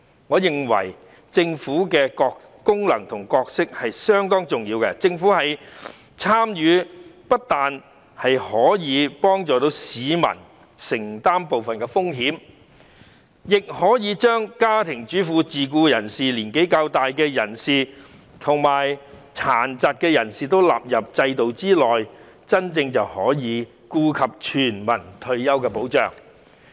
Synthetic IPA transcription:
ŋɔː˨˧jɪ˨ŋwɐ̰˨˩j | t͡sɪ˧ŋfuː˨˥kɛː˧kɔː˧k | kʊ˥ŋlɐ̰˨˩ŋt̪ʰʊ˨˩ŋkɔː˧k̚sɪ˥k̚hɐ˨jsœː˥ŋt̪ɔː˥ŋt͡sʊ˨ŋjiː˧wkɛ˧t͡sɪ˧ŋfuː˨˥hɐ˨j | t͡sʰaː˥mjyː˨˧pɐ˥t̚t̪aː˨n | hɐ˨jhɔː˨˥jiː˨˧pɔː˥ŋt͡sɔː˨t̪o˨˧˥wsiː˨˧˥mɐ̰˨˩n | sɪ˨˩ŋt̪aː˥mpo˨wfɐ˨nkɛː˧fʊ˥ŋɦiː˨˥m | jɪ˨k̚hɔː˨˥jiː˨˧t͡ʃœː˥ŋkaː˥t̪ʰɪ˨˩ŋt͡ʃyː˨˥fuː˨˧t͡siː˨kuː˧jɐ˨˩nsiː˨liː˨˩nke˨˥jkaː˧wt̪aː˨jkɛː˧jɐ˨˩nsiː˨˩ | t̪ʰʊ˨˩ŋmaː˨˩jt͡sʰaː˨˩nt͡sa˨t̚kɛː˧jɐ˨˩nsiː˨t̪o˥wla̰ː˨p̚jɐ˨p̚t͡sɐ˧jt̪o˨wt͡siː˥lɔː˨˩j | t͡sɐ˥nt͡sɪ˧ŋt͡sɐ˨whɔː˨˥jiː˨˧ | kuː˧kʰɐ˨p̚t͡ʃʰyː˨˩nmɐ˨˩nt̪ʰɵ˧ɥjɐ˥wkɛː˧po˨˥wt͡ʃœ̰ː˨ŋ

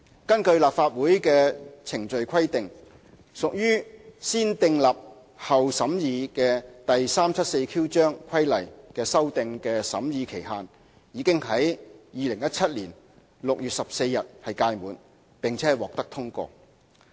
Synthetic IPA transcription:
kɐ˥nkɵ˧ɥlaː˨p̚faː˧t̚wuː˨˥jkɛː˧t͡sʰɪ˨˩ŋt͡ʃɵ˨˧ɥkʰɐ˥jt̪ɪ˨ŋ | sʊ˨k̚jyː˥siː˥nt̪ɪ˧ŋlaː˨p̚ | hɐ˨wsɐ˨˥mjiː˨˧kɛː˧t̪ɐ˨jsaː˥mt͡sʰɐ˥t̚se˧jkʰiː˥wt͡ʃœː˥ŋkʰɐ˥jlɐ̰˨˩jkɛː˧sɐ˥wt̪ɪ˨˧ŋkɛː˧sɐ̰˨˥mjiː˨˧kʰe˨˩jɦaː˨n | jiː˨˧kɪ˥ŋhɐ˨˥jjiː˨˧lɪ˨˩ŋjɐ˥t̚t͡sʰɐ˥t̚liː˨˩n | lʊ˨k̚jyː˨t̚sɐ˨p̚se˧jːɐ˨t̚hɐ˨jkaː˧jmuː˨˧n | pɪ˨ŋt͡sʰɛ˨˦˥wɔː˨k̚t̪ɐ˥k̚t̪ʰʊ˥ŋkʷɔ̰ː˧

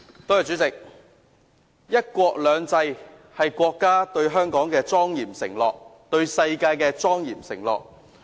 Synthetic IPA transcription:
t̪ɔː˥jɐ˨t͡ʃyː˨˥t͡sɪ˨k̚ | jɐ˥t̚kʷɔː˧k̚lœː˨˧ŋt͡sɐ˧j | hɐ˨jkʷɔː˧kːaː˥t̪ɵ˧ɥɦœː˥ŋkɔː˨˥ŋkɛː˧t͡sɔː˥ŋjiː˨˩msɪ˨˩ŋlɔː˨k̚t̪ɵ˧ɥsɐ˧jkaː˧jkɛː˧t͡sɔː˥ŋjiː˨˩msɪ̰˨˩ŋlɔ̰ː˨˩k̚

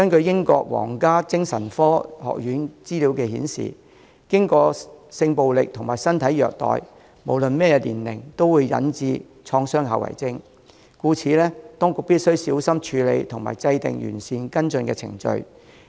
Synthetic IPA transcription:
kɐ˥nkɵ˧ɥjɪ˥ŋkɔ̰ː˧k̚wɔ̰ː˨˩ŋkaː˥t͡sɪ˥ŋsɐ˨˩nfɔː˥hɔ̰ː˨k̚jyː˨˥nt͡siː˥li˨˥wkɛː˧hiː˨˥nsḭː˨˩ | kɪ˥ŋkɔː˧sɪ˧ŋpo˨wlɪ˨k̚t̪ʰʊ˨˩ŋmaː˨jsɐ˥nt̪ʰɐ˨˥jːœː˨k̚t̪ɔ̰ː˨j | mo˨˩wlɵ˨nmɛː˥jɛ˧lḭː˨˩nlɪ˨˩ŋt̪o˥wuː˨˧jːɐ̰˨˥nt͡siː˧ | t͡ʃʰɔː˧ŋsœː˥ŋha̰˨wɐ̰˨˩jt͡sɪ˥ŋ | kuː˧t͡sʰiː˨˧lɛː˥t̪ɔː˥ŋkʊ˨˧k̚piː˥t̚sɵ˥ɥsiː˨˥wsɐ˥mt͡ʃʰyː˨˧lḛ˧jt̪ʰʊ˨˩ŋma̰ː˨˩jt͡sɐ˧jt̪ɪ̰˨ŋjy̰ː˨˩nsiː˨˧nkɐ˥nt͡sɵ˧nkɛː˧t͡sʰɪ̰˨˩ŋt͡ʃɵ̰˧ɥ

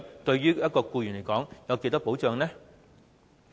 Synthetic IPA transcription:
t̪ɵ˧ɥɥyː˥jɐ˥t̚kɔː˧kuː˧jyː˨˩nle˨˩jkɔː˨˥ŋjɐ˨˧wke˧t̪ɐ˥po˨˥wt͡ʃœː˧ŋnɛː˥

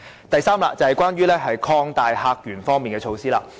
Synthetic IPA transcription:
t̪ɐ˨jsaː˥mla̰ː˧t͡sɐ˨hɐ˨˩jkʷwaː˥nɥyː˥lɛː˥ɦɐ˨jkʰɔː˧ŋt̪aː˨jhaː˧k̚jyː˨˩nfɔː˥ŋmiː˨nkɛː˧t͡ʃʰo˧wsiː˥laː˧

